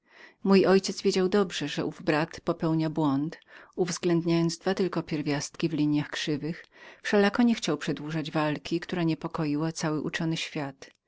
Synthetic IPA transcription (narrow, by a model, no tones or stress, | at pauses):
mujʔɔjt͡ɕɛz̥vʲjed͡ʑawd̪ɔbʐɛʐɛʔuvbɾat̪pɔpɛwɲabwɔnt̪uvzɡlɛnd̪ɲajɔnd̪zd̪vat̪ɘlkɔpʲjɛɾvʲjast̪kʲivlʲiɲjaxkʂɘvɘxfʂɛlakɔɲɛxt͡ɕawpʂɛd̪wuʐad͡ʑvalkʲʰikt̪uɾaɲɛpɔkɔjiwat̪sawɘʔut͡ʂɔnɘɕfʲjat̪